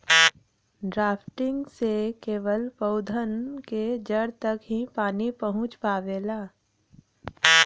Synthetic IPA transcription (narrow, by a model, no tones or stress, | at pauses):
ɖɾaːpʰʈɪ̃ŋɡsekeːʋəlpəʊd̪ʱənked͡ʒəɽt̪əkɦĩpaːnipəɦʊ̃t͡ʃpaːʋeːlaː